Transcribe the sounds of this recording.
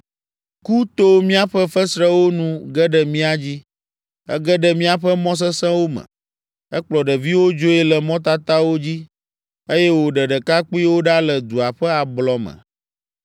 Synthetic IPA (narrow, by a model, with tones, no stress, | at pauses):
ku˦t̪o˦mĩ˦a˦ɸə˦fə˦sɾɛ˦wo˦nũ˦ɡɛ˦ɖə˨mĩ˦a˨d͡ʑi˦ | ɛ̰˦ɡə˦ɖə˨mĩ˦a˨ɸə˦mɔ̃˦s̬ə˦sɛ̃˦wo˦mə̰̃˨ | ɛ˦k͡plɔ˨ɖə˨vi˦wo˦d͡ʒo˦ɛ˦lə˨mɔ̃˦t̪a˦t̪a˦wo˦d͡ʑi˦ | e˦jɛ˦wo˨ɖə˨ɖə˨ka˦k͡pu˦i˦wo˦ɖa˦lə˨d̪u˨a˨ɸə˦a˨blɔ˨mə̰̃˨